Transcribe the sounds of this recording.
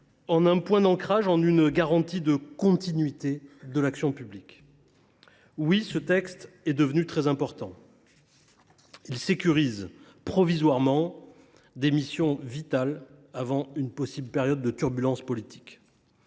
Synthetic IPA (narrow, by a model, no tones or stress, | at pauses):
ɑ̃nɛ̃pwɛ̃d̪ɑ̃kχaʒɑ̃nynɡaʁɑ̃t̪id̪əkɔ̃t̪inɥit̪ed̪əlaksjɔ̃pyblik | wisət̪ɛkst̪ | ɛd̪əvənyt̪χɛzɛ̃pɔʁt̪ɑ̃ | ilsekʲyʁiz | pχɔvizwaʁmɑ̃ | d̪emisjɔ̃vit̪alavɑ̃ynpɔsibləpɛʁjɔd̪̚ːət̪yʁbylɑ̃spɔlit̪ʰi̥k